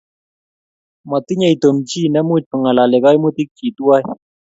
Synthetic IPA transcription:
ma˨t̪i˦ɲɛ˨jt̪o˨mt͡ʃi˦nɛ˦mu˦t͡ʃ̚pə˨ŋa˨la˨lɪ˨ka˦jmu˦t̪i˦k̚t͡ʃi˨t̪u˦a˦j

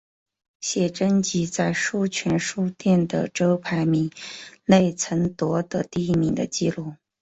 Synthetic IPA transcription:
ɕjɛ˨˩ʈ͡ʂə˥nt͡ɕi˧˥t͡sa˥˧ɪʂu˥˩t͡ɕʰɛ˧˥nʂu˥˧t̪jɛ˥˩nd̪ə̰˩ʈ͡ʂɤ˥ʊpʰa˧˥ɪmi˧˥˦ŋle˥˩ɪt͡sʰə˧˥nt̪wɔ˧˥d̪ə˧t̪i˥˧i˥˩mi˧˥ŋd̪ə̰˧t͡ɕi˥˧lu˥˩

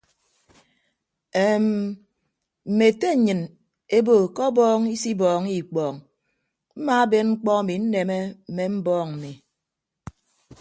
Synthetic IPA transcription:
e˨m˨ | m̩˨me˨te˦˨ɲɨ˨n | e˦bo˨kɔ˦bɔː˦ŋi˦si˦bɔː˨ŋi˨k͡pɔː˨ŋ | m̩˦ma˦a˦be˦nŋ͡m̩˦k͡pɔ˦a˨mi˨n̩˦ne˨me˦m̩˨me˦m̩˦bɔː˦ŋm̩˨mi˨

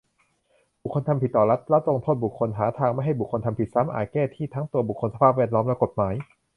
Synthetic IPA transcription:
bu˨˩kʰːo˧nt̪ʰmpʰi˨˩t̪ːɔː˨˩la˦˥t̪̚la˦˥t̪̚lo˧ŋt̪ʰoː˥˩t̪̚bu˨˩kʰːo˧nɦaː˩˦t̪ʰaː˧ŋma˥˩jɦa˥˩jbu˨˩kʰːo˧nt̪ʰa˧mpʰi˨˩t̪̚sa˦˥mʔa̰ː˨˩kɛː˥˩t̪ʰiː˥˩t̪ʰa˦˥ŋt̪u˧ɐbu˨˩kʰːo˧nsa˧pʰaː˥˩p̚wɛː˥˩t̪̚lɔː˦˥mlɛ˦˥ko˨˩t̪̚maː˩˦j

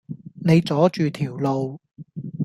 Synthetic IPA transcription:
ne˨˧jt͡sɔː˨˥t͡ʃyː˨t̪ʰiː˨˩wlo˨˧w

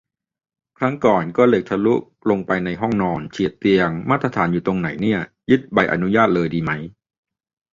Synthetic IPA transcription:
kʰɾa˦˥ŋkɔː˨˩nkɔː˥˩le˨˩k̚t̪ʰa˧lu˦˥k̚ | lo˧ŋpa˧jna˧jɦɔ˥˩ŋnɔː˧nt͡ɕʰi˨˩ət̪ːi˧əŋmaː˥˩t̪ɾa˧t̪ʰaː˩˦njuː˨˩t̪o˧ŋna˩˦jni˥˩ɐ | jɯ˦˥t̪̚ba˧jʔa̰˧nu˦˥jaː˥˩t̪̚lɤː˧jdiː˧ma˦˥j

